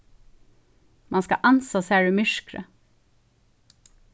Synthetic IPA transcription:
mɑnskɑ̰ʔɑnsɑsæːɖʉːmʏʃkɾə̰

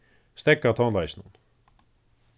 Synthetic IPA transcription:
st̪ɛkːat̪ʰɔnlajsnun

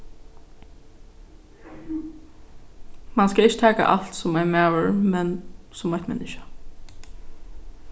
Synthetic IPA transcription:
manskaɪt͡ʃːə̥t̪ʰæːka̰ʔa̰lt̪sʊmɛjmæːwəɹmɛn | sʊmːaht̪mɛ̰nɪʃḁ

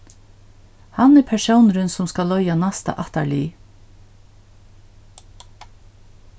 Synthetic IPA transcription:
hanɛɾpʰæʃəwnɾʏnsʊmskalœʏanast̪a̰ʔat̪aɭiː

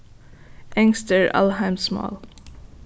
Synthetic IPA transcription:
ʔæ̃ŋstəɹa̰lˠɦãɪmsmɔ̰ːl

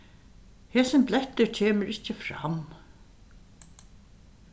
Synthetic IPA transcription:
hɛːsɪnplɛht̪ʏɹcʰeːməɾɪht͡ɕɪfɾa̰m

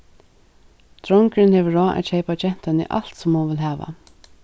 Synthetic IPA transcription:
t̪ɾɔŋkɹɪnhɛːʋəɹɔːʔæ̰t̪ɕeɪpat͡ʃɛn̥t̪anḭʔa̰l̥t̪sʊmhunʋɪlɦæːʋa̰

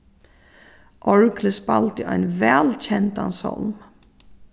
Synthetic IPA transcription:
ʔɔɹkʰləspɑlt̪əɑ̰ːɛ̰nʋɛlc͡çɛnt̪ɑ̰nsɔ̰lm

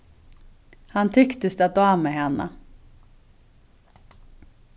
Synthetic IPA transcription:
hant̪ʰʏkt̪əst̪ɛat̪̚d̪ɔamɛɦɛnːə̰

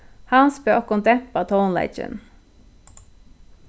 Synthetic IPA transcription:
hɑnspøʔɔkɔnt̪ʰɛpɑt̪ʰoːnlḛɪt͡ʃə̰n

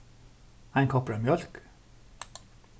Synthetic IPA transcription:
æɪŋkʰɔpɹəmjœlk

